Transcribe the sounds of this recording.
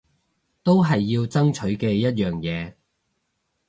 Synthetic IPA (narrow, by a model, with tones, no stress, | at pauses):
t̪o˥wɦɐ˨jːiː˧wt͡sɐ˥ŋt͡ʃʰɵ˨˥ɥkɛː˧jɐ˥t̚jœː˨ŋjɛː˨˧